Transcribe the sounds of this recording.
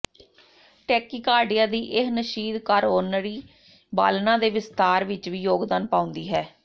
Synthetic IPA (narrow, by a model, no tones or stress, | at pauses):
ʈɛːkiːkaːɖijãːd̪iːʔɪɦnəʃiːd̪kaɾoːnɾiː | ba̰ːlnãːd̪eːʋɪst̪aːɾʋɪt͡ʃʋiːjoːɡd̪aːnpãːʊnd̪iːɦɛː